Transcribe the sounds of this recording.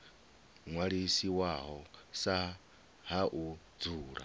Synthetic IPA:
ŋwaɺisiwaɦɔsa | ɦaʔu | d͡zuːɺa̰

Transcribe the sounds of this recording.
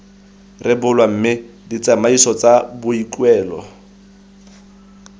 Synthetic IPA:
rɪbʊlwam̩ːmɪ | dit͡samaisɔt͡sabʊikʼwɛːlɔ̰

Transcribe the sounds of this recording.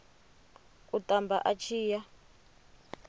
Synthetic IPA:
kutʼambʱa̰ʔat͡ʃʰiːja

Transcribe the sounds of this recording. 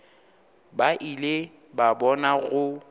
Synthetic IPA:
baʔile | babɔnaɣʊ

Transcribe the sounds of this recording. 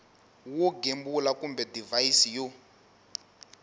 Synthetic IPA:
woɡembulakumbɛdivaisijo

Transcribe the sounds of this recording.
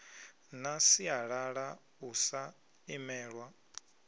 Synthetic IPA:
nasiaɺaɺa | usa | imɛːɺwa

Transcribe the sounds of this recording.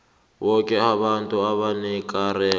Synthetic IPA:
βɔkʼɛaβantʼuaβanɛkʼaɾɛ

